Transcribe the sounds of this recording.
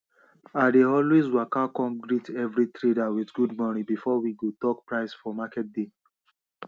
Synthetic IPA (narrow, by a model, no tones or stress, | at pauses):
adeɔlwezwakakɔ̃mɡɹitɛvɹitɹedawitɡudmɔnĩbifɔwiɡotɔk̚pɹaɪsfɔmakɛt̚de